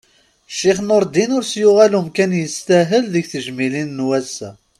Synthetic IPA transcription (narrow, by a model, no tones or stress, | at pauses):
ʃːiχnəɾˤd̪inʊɾsjuʁælumkænjəst̪æɦəlðəçθəʒmilinːwæsːæ̰